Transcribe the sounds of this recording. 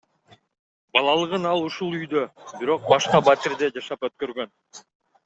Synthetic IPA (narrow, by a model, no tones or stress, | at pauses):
bɑlˠɑlˠɯʁɯnɑlˠuʃulˠyjd̪øbiɾo̞q̚bɑʃqɑbat̪iɾd̪e̞d͡ʒɑʃɑpøt̪̚kø̞ɾɡø̞n